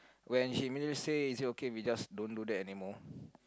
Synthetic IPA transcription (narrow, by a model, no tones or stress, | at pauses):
wɛ̃nʃimidliseisitokewid͡ʒasdõndudɛtɛnimɔ